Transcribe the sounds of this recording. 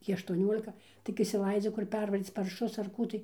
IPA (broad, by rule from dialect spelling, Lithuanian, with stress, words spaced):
ˈtʲiː ɐʃtuɔˈnʲoːlʲɪkɐ tʲɪk ɪʃʲsʲɪˈlˠɐɪd͡zʲʊ kʊr ˈpʲɛrʋɐrʲiːt͡s pɐrˈʃʊs ɐr ˈkuː tɐɪ